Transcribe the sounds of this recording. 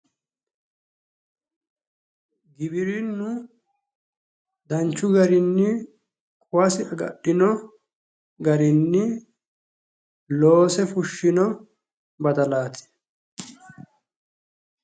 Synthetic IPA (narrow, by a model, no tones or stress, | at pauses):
ɡɪbɪɾinːʊ | d̪ɐnt͡ʃːʊɡɐɾɪnːɪ | kʼʊwɐsɪɐɡɐ̰ɗːɪnɔ | ɡɐɾɪnːɪ | loːsɛfʊʃːɪnɔ | bɐd̪ɐlaːt̪ʰɪ̥